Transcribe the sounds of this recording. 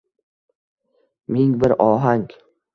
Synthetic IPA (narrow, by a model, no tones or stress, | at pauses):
mɪŋbɪɾɒɦaŋ